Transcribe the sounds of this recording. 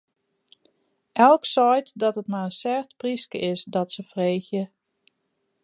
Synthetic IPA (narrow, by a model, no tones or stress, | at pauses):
ʔɛlˠksɔjtdɔtətmaənsɛrtpriskəʔɪsdɔtsəfreːxjə